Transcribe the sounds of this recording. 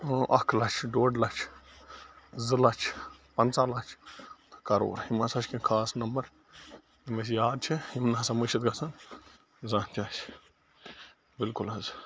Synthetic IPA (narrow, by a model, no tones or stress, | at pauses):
ʔɐkʰlɐt͡ʃʰɖoːɖlɐt͡ʃʰ | zɨlɐt͡ʃʰpɐnt͡saːlɐt͡ʃʰt̪kɐɾo̰ːɾɦimɐsɐt͡ʃʰkĩnkʰaːsnɐmbɐɾ | himɐs̬jaːd̪̚t͡ʃʰihimnɐɦɐsamɐʃɐt̪̚ɡɐsɐn | zãːt̪iaːt͡ʃʰ | bɪlkulɐz